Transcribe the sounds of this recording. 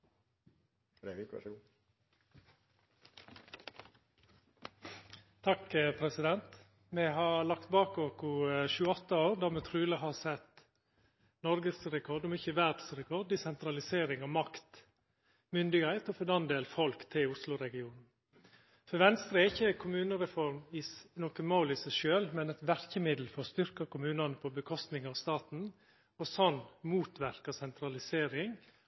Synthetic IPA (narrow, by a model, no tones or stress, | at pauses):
t̪ʰɑkəpʰɾɛsɪd̪ɛnt̪ | mɛɦɑɾlɑk̚t̪bɑːkoːkʊʃʉːəɔt̪ːəoːɾd̪ɑːmɛt̪ʰɾʉːləɦɑsɛt̪ | nɔɾɡəsɾɛkʰɔɖ̪ɔmɪçəʋæɾd̪sɾɛkʰɔd̪d̪ɪsɛnt̪ɾɑlɪseːɾɪŋɑmɑkt̪ | mʏnd̪ɪɡhæɪt̪ɔfɔd̪ɑnd̪eːlfɔlkt̪ʰːɪlʊslʊɾɛɡɪuːnn̩ | fɔɾʋɛnst̪ɾəæɪçːəkʰʊmʉːnəɾɛfɔɾmɪnoːkəmoːlɪsɛɪʃøːlmɛnɛt̪ʋæɾkəmɪd̪l̩fɔɾst̪ʏɾkɑkʊmʉːnɑnəpʰɔbəkʰɔst̪nɪŋɑʋst̪ɑːt̪n̩ | ɔsɔnmuːt̪ʋæɾkɑsɛnt̪ɾɑlɪseːɾɪŋ